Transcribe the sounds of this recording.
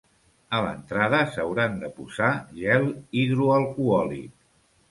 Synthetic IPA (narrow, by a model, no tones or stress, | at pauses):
ələ̰nt̪ɾaðəsəwɾand̪əpuzaʒɛliðɾuəlˠkuɔlḭt̪